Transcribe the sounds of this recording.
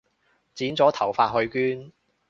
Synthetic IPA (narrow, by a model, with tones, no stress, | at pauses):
t͡siː˨˥nt͡sɔː˨˥t̪ʰɐ˨˩wfaː˧t̚ɦɵ˧ɥkyː˥n